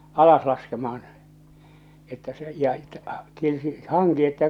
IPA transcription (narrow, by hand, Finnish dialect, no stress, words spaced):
ɑlɑs lɑskemɑh̞ɑn etːæ se jɑ ĕtˑæ tietysti hɑŋki etːæ